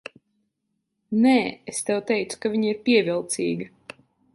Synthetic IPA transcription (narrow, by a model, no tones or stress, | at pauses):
nɛːest̪ɛwt̪ɛjt̪su̥kaviɲiɾpʲiɛvʲilˠt̪sḭːɡɐ